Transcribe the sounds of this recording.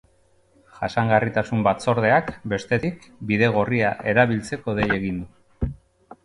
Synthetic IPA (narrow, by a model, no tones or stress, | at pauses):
ʝasaŋɡarit̪asumbat͡so̞ɾð̞e̞akbe̞st̪e̞t̪ikbiðe̞ɣ̞o̞riaʔe̞ɾaβ̞ilt͡se̞ko̞ðe̞je̞ɣind̪u